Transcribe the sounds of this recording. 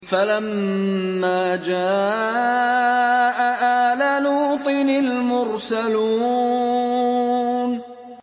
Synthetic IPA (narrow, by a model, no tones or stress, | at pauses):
falamː | aːd͡ʒaː | ʔaʔaalaluːt̪ˤɨnalmʊɾsaluː | n